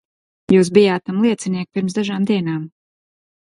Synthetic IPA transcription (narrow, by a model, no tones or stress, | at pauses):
juːs̬bijaːt̪̚ːamlˠiɛt̪siniɛk̚piɾmsd̪aʒaːmd̪iɛnaːm